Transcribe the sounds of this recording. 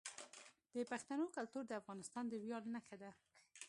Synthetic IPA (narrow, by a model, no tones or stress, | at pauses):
d̪̥əpaxt̪anokalt̪uɾd̪əafɣɑnɪst̪ɑnd̪əwjɑlnaxad̪a